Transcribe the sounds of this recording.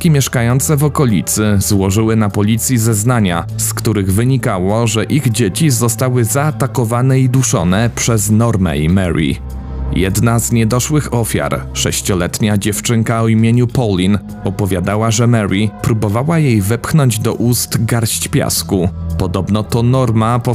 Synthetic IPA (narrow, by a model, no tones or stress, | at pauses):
kʲimʲjɛʂkajɔnt̪sɛvɔkɔlʲit̪sɘzwɔʐɘwɘnapɔlʲit̪sʲjizɛznaɲa̰skt̪uɾɘɣvɘɲikawɔʐɛʔiɣd͡ʑet͡ɕizɔst̪awɘzaːt̪akɔvanɛid̪uʂɔ̰nɛpʂɛznɔɾmɛ̰imɛɾḭ | jɛd̪nazɲɛd̪ɔʂwɘxɔfʲja̰ɾʂɛɕt͡ɕɔlɛt̪ɲad͡ʑɛft͡ʂɘŋkaɔimʲjeɲupɔlʲin | ɔpɔvʲjad̪awaʐɛmɛɾipɾubɔvawajejvɘpxnɔɲd͡ʑd̪ɔʔust̪ɡaɾɕt͡ɕpʲja̰skupɔd̪ɔbnɔt̪ɔnɔɾmapɔ